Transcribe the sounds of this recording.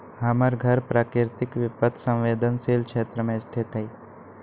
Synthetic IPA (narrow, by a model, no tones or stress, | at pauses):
ɦɐməɾɡʱəɾpɾaːkɾɪɾt̪ɪkʋɪpət̪ʰsə̃wʋeːd̪ənseːlkʃeːt̪ɾəmẽst̪ʰɪt̪ɦəi